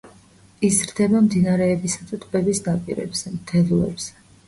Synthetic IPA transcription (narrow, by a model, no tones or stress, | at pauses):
izɾd̪ɛbamd̪inaɾɛːbisat̪ʰat̪ʼvɛbisnapʼḭɾɛ̰bz̥ɛmt̪ʰɛlˠuɛ̰bz̥ɛ